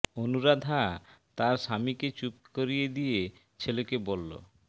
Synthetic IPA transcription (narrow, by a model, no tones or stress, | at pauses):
onuɾad̪ʱat̪aɾʃamiket͡ɕupkoɾijed̪ije | t͡ɕʰelekebolːo̰